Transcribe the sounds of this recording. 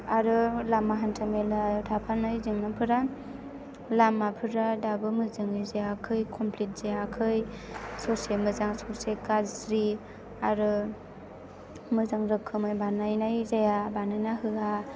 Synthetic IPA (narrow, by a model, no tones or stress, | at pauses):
aɾɯlamːaɦantʰamelɯutʰapʰanɯjzɯŋnapʰɯɾa | lamːapʰɯɾadabɯmɯzɯŋɯzajakʰɯjkʰɔmpʰlit̚z̥ajakʰɯj | sɔsemɯzaŋsɔsekazɾi | aɾɯ | mɯzaŋɾɯkʰːɯmɯjbanajnajzajabanajnaɦɯa